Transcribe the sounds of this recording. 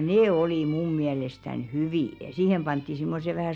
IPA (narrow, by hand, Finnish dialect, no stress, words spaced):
neː oliˑ mum miælestæn hyʋiˑ jɑ siːhem pɑntːi simːose ʋæhæˑ